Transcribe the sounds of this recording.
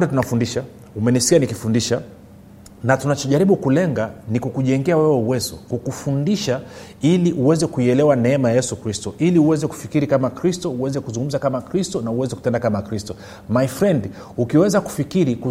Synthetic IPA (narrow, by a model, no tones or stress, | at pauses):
ɾɛtunafundiʃa | umɛniskianikifundiʃa | natunat͡ʃɔʄaɾiɓukulɛŋɡanikukuʄɛŋɡɛawɛwɛuwɛzɔkukufundiʃa | iliʔuwɛzɛkuiɛlɛwanɛɛmajajɛsukɾistɔʔiliuwɛzɛku̥fikiɾikamakɾistɔuwɛzɛkuzuŋɡum̩zakamakɾistɔnauwɛzɛku̥tɛndakamakɾistɔ | majfɾɛnd | ukiwɛzaku̥fikiɾiku